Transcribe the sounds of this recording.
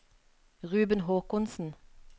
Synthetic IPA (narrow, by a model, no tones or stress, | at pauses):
ʁʉːbənɦoːkʊnsn̩